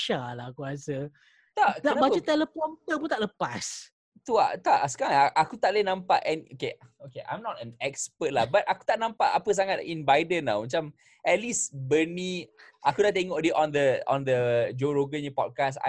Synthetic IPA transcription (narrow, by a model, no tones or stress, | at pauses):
ʃalakuasə | t̪aʔkd̪aənabad͡ʒət̪ɛləpɔnt̪əpunt̪aʔləpas | t̪ua̰ʔt̪aʔsə̥kaɾãŋakut̪aʔlənãmpaʔɛnokeokeʔã̰jmnɔtɛ̃nɛk̚spət̚lahbat̪̚ʔakut̪aʔnãmpaʔa̰pəs̬aŋat̪̚inbajdənːa̰wmat͡ʃam | ɛt̪̚lisbənĩʔakudaʔt̪eŋɔʔdeʔɔ̃nd̪əɔ̰̃nd̪əd͡ʒoɾoɡənəpɔ̰t̚kasa̰